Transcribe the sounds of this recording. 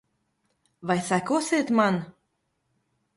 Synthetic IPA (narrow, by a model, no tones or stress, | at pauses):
vajsækosʲeːt̪man